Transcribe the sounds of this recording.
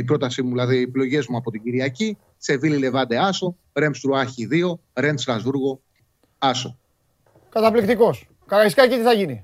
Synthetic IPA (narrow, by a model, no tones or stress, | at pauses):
ipɾo̞t̪ɐsimuðilɐðieplo̞ʝe̞zmuɐpo̞t̪iɟiɾiɐci | se̞vilile̞vɐd̪e̞ɐso̞ | ɾe̞mst̪ɾuɐçiðio̞ɾe̞nst̪ɾɐzvuɾɣo̞ | ɐso̞̰ | kɐt̪ɐplikt̪iko̞s | kɐɣɐiskɐcit̪iθɐʝini